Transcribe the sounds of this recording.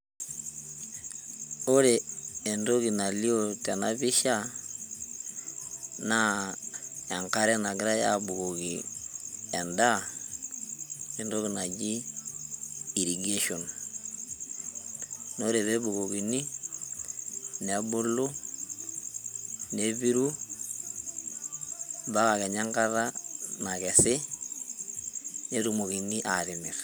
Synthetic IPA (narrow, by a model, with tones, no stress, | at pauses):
o˦ɾe˨e˨ndo˦ɣi˨na˨li˦o˦ta˨na˦βi˦ʃa˦ | na˦ | a˨ŋka˦ɾɛ˦na˨ɡi˦ɾa˦ja˦bu˨ɣo˨ɣi˨ | a˨nda˦ | e˨ndo˦ɣi˨na˨d͡ʒi˦ | i˨ɾi˨ɡe˦ʃo˨n | no˦ɾe˨ðe˦bu˨ko˨ki˨ni˦ | nɛ˦bʊ˦lu˦ | ne˦bi˦ɾu˦ | ba˦ka˨kɛ˨ɲa˦ŋka˦ða˦na˨kɛ˨sɪ˦ | ne˦ɾu˨mo˨ki˨ni˦ʔaɾɪ˨mɪ˨r